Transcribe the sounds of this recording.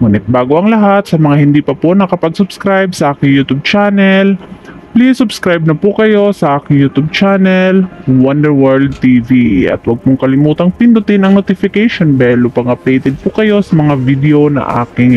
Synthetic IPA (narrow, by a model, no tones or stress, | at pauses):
mʊnɪt̪̚baːɡoʔɐŋlɐɦat̪̚sɐmɐŋahɪnd̪iːpɐpoʔnɐkɐpɐɡsʊb̥skɾajb̚sɐʔaːkɪŋjuːt̪ub̚t͡ʃaːnɛlplisʊbskɾajb̚nɐpʊkɐjo̞sɐʔaːkɪŋjut̪ub̚t͡ʃaːnɛlwɐnd̪ɛɹwɛɹld̪̚t̪iviʔɐ̰t̪wɐɡ̚pʊŋkɐlɪmuːt̪ɐŋpɪnd̪ʊt̪ɪnɐŋnot̪ɪfɪkɛjʃonbɛlopɐŋɐpɛjt̪ɛd̪̚pʊkɐjo̞sɐmɐŋavid̪ɛonɐ̰ʔa̰ːkɪŋ